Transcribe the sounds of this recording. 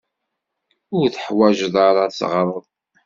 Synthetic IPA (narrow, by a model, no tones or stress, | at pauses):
ʊɾθəħwæʒəðˤaɾɑsʁɾˤəðˤ